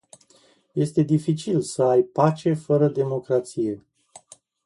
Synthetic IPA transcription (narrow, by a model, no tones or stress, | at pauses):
je̞st̪e̞d̪ifit͡ʃilsəajpat͡ʃe̞fəɾəd̪e̞mo̞kɾat̪sije̞